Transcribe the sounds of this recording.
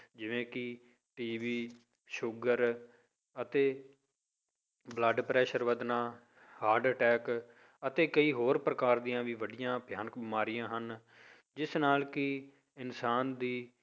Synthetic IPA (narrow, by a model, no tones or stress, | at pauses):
d͡ʒɪʋẽːkɪ | ʈiːʋiː | ʃʊɡəɾ | ət̪eː | bləɖpɾɛːʃəɾʋəd̪nãː | haːɾɖəʈɛːk | ət̪eːkəiːɦoːɾpɾəkaːɾd̪ijãːʋiːʋəɖɪjãːbjaːnək̚bimaːɾɪjãːɦən | d͡ʒɪsnaːlkɪ | ɪnsaːnd̪iː